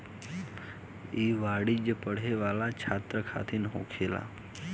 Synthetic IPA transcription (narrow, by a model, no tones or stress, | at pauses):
iʋaɽid͡ʑəpəɽ̤eʋalat͡ɕʰat̪ɾəkʰa̰t̪ʰiːnɦo̰kʰela̰